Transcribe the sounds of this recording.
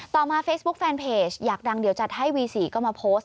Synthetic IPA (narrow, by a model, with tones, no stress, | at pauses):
t̪ɔː˨˩maː˧feː˦˥sbu˦˥k̚fɛː˧npʰeː˧˩t͡ɕʰjaː˨˩k̚da˧ŋdi˨˩˦wt͡ɕa˨˩t̪̚ha˥˩jwiː˧siː˨˩˦kɔː˥˩maː˧pʰoː˦˥st̪̚